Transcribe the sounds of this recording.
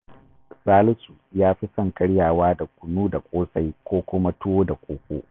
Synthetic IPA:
saː˦lʊ˦su˨jaː˦ɸi˦sɐ˦˨ŋkɐ˦ɽjaː˨waː˦da˨kʷʊ˨nuː˦da˨kʷʼoː˦sa˦jkʷoː˦kʷʊ˦ma˦tʊ˦woː˦da˨kʷʼoː˦kʷʼo̰ː˦ʔ

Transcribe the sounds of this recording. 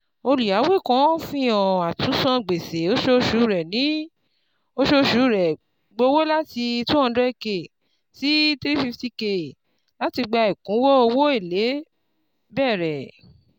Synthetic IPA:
o˧lu˨ja˨˦we˦˨kɔ̃˨˦fĩ˦jɔ̃˨a˨tu˨˦sã˧ɡ͡be˨se˨˦o˦ʃo˧ʃu˨˦ɾɛ˨nĩ˨˦ | o˦ʃo˦ʃu˨˦ɾɛ˨ | ɡ͡bo˧˦wo˦la˦ti˧i˧tũ˦ɔ̃˧dɾɛ˦ke˨ | si˦tɾi˦fi˧fti˧ke˨ | la˦ti˧ɡ͡ba˧i˨kũ˨˦wɔ˦o˧wo˦i˦˨le˨˦ | bɛ˦˨ɾɛ˨

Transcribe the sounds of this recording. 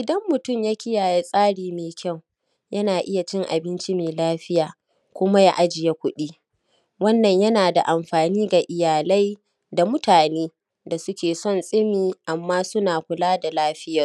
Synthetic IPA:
ʔɪ˨dɐ˦mːʊ˨tʊ˦˨mja˦kʲɪ˦jaː˨ja˦sʼaː˦ɽiː˨meː˨kʲɐ˦˨w | jɐ˦naː˨ʔɪ˦ja˨t͡ʃɪ˦ŋʔa̰˨bɪ˦nt͡ʃi˦meː˨laː˦ɸɪ˦jaː˨ | kʷʊ˦ma˦ja˦ʔa˦d͡ʒɪ˨ja˦kʷʊ˦ɗiː˦ | wɐ˦nːɐ˨ɲjɐ˦naː˨da˨ʔa˨mɸaː˨niː˦ɡa˨ʔɪ˨jaː˨la˦j | da˨mʊ˦taː˨neː˦ | da˨sʊ˦kʲeː˨sɔ˦˨nsʼɪ˦miː˨ʔa˨mːaː˦sʊ˦naː˨kʷʊ˨laː˦da˨laː˦ɸɪ˦jɐ˨r

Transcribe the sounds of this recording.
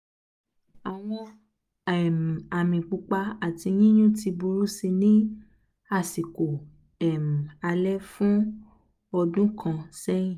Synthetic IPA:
a˨w̃ɔ̃˧ | ɛ˨m˨a˨mĩ˨k͡pu˧k͡pa˧a˨ti˧ɲĩ˦jũ˦ti˧bu˧ɾu˦si˧nĩ˦ | a˦˨si˨ko˨ | ɛ˨m̩˨a˧lɛ˦fũ˦ | ɔ˧dũ˦kʰã˧sɛ˦jĩ˦˨

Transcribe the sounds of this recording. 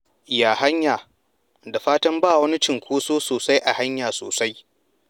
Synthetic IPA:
jaː˨ɦa˦ɲjaː˨ | da˨ɸaː˦tɐ˦mbaː˦˨wɐ˦ni˦t͡ʃɪ˨ŋkʷʰuː˦soː˦soː˨sa˦jʔa˨ha˦ɲjaː˨so̰ː˨sa˦j

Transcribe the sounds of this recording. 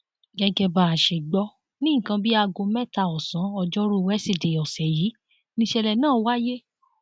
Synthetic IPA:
ɡɛ˧ɡɛ˧ba˧˨a˨ʃe˨ɡ͡bɔ˦ | nĩ˦˨kã˧bi˦a˧ɡo˧mɛ˦ta˨ɔ˨sã˨˦ɔ˧d͡ʒɔ˦ɾo˦˨wɛ˦si˦˨de˨ɔ˨sɛ˨ji˨˦ | nĩ˦ʃɛ˧lɛ˧˨nãː˦˨wa˦je˦

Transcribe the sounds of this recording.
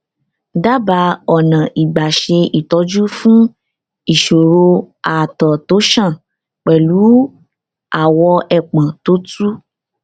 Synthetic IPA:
da˦ba˧ɔ˨nã˨ʔi˨ɡ͡ba˨ʃe˧i˨tɔ˨˧˦d͡ʒu˦fũ˦ | i˨ʃo˨ɾo˧a˨tɔ˨to˨˦ʃã˦˨ | k͡pɛ˨lu˨˦ | a˦˨wɔ˧ɛ˨k͡pã˨to˨˦tu˦

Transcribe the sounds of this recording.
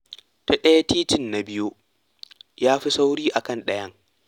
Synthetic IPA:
ta˦ɗɐ˦ja˦tiː˦tɪ˦˨nːa˨bɪ˦jo˦ | jaː˦ɸi˦sa˦wɽiː˦ʔa˨kɐ˦nɗɐ˦jɐ˦ŋ

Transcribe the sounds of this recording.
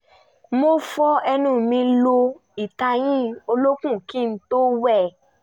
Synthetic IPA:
mo˦fɔ˦ɛ˧nũ˦˨mĩ˧lo˧ | i˨ta˧j̃ĩ˦o˧lo˦kũ˦˨kĩ˦˨n̩˧˦to˦wɛ˦˨

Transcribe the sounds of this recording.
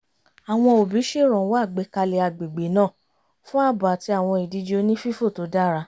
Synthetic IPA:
a˨w̃ɔ̃˧o˨bi˨˦ʃe˦˨ɾ̃ɔ̃˨˦wa˦˨ɡ͡be˨˦ka˧le˨˧a˧˨ɡ͡be˨ɡ͡be˨˦nãː˦˨ | fũ˦a˦˨ba˨ti˧a˨w̃ɔ̃˧i˨di˧d͡ʒe˧˦o˧˦nĩ˦fi˦fo˦˨to˨˦da˦ɾa˧

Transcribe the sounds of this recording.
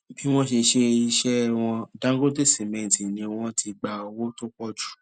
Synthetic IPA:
bi˦w̃ɔ̃˦ʃe˧ʃe˧i˧ʃɛ˦w̃ɔ̃˧dã˦ɡo˦de˦si˨mẽ˨tĩ˨nĩ˧w̃ɔ̃˧tʰi˧ɡ͡ba˧wo˦to˦k͡pɔ˦d͡ʒu̥˨

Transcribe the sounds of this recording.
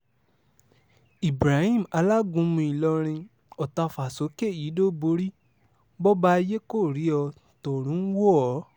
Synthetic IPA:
i˨bɾa˨˦hĩ˦˨m̩˨a˧la˦ɡũ˧˦mũ˧i˨lɔ˧ɾ̃ĩ˧ | ɔ˨ta˧˨fa˨so˨˦ke˦˨ji˨˦do˦bo˧ɾi˦ | bɔ˦ba˦˧je˦ko˦˨ɾi˨˦ɔ˧ | tɔ˨ɾ̃ũ˨˦wo˦ɔ˨˦

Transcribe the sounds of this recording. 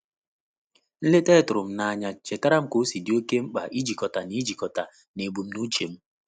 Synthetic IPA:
n̩˦le˦te˦˨tʊ˨ɾʊ˨m̩˦na˨ɲa˨t͡ʃe˨ta˦ɾa˦m̩˦ko˦si˨di˨˦o˦ke˦m̩˦k͡pa̰˨ʔi˦d͡ʒi˨kɔ˨ta˨ni˦d͡ʒi˨kɔ˨ta˨ | ne˨bu˨m̩˦nu˦t͡ʃe˨m̩˦

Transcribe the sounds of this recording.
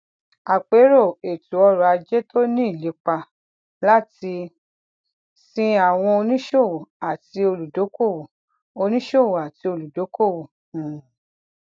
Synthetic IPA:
a˨k͡pe˨˦ɾo˦˨e˨tu˨˦ɔ˧ɾɔ˨a˧d͡ʒɛ˦tʰo˦nĩ˦i˦˨le˨˦k͡pa˧ | la˦ti˧ | sĩ˧a˨w̃ɔ̃˧o˧nĩ˦ʃo˦˨wo˨a˨ti˧o˧lu˨do˨˦ko˦˨wo˨ | o˧nĩ˦ʃo˦˨wo˨a˨ti˧o˧lu˨do˨˦ko˦˨wõ˨

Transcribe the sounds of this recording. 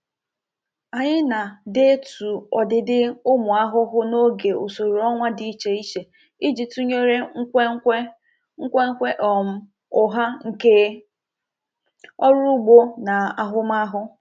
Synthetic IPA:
a˨ɲɪ˦na˨de˦e˦tu˨ɔ˨dɪ˨dɪ˦ʊ˦mʊ˨a˦ɦʊ˦ɦʊ˦no˦ɡe˨o̰˨so˨ɾu˨ɔ˦ŋʷa˦di˦t͡ʃe˨i˦t͡ʃe˨ | i˦d͡ʒi˨tu˦ɲe˦ɾe˦ŋ̩˦kʷe˦e˦ | ŋ̩˦kʷe˦ŋ̩˦kʷe˦ʔɔ˨m̩˦ | ʊ˦ɦa˦ŋ̩˨ke˦ | ɔ˦ɾu˦ɡ͡bo˦na˨a˨ɦʊ˦m˦a˦ɦʊ˦

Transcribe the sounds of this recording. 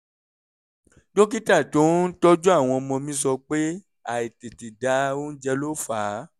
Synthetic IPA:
do˦k̬i˦ta˦˨to˨˦n̩˦tɔ˦d͡ʒu˦a˦˨w̃ɔ̃˧ɔ˧mɔ̃˧mĩ˦s̬ɔ˧k͡pe˦ | a˨i˨te˨ti˨da˨˦o˦n̩˦d͡ʒɛ˧lo˦faː˨˦

